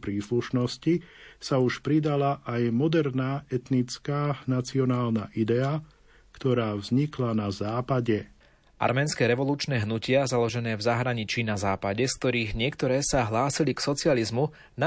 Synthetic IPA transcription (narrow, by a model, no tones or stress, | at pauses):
pɾiːsluʃnɔscisauʃpɾid̪alaʔajmɔd̪ɛɾnaːɛt̪nit͡skaːnat͡siɔnaːlnaʔid̪ɛa | kt̪ɔɾaːvzɲiklanazaːpaɟɛ | ʔa̰ɾmɛːnskɛːɾɛʋɔluːt͡ʃnɛːɦnucɪazalɔʒɛnɛːvzaɦɾaɲit͡ʃiːnazaːpaɟɛsk̚t̪ɔɾiːɣɲɪɛkt̪ɔɾɛːsaɦlaːsiliksɔt͡sɪalizmu | na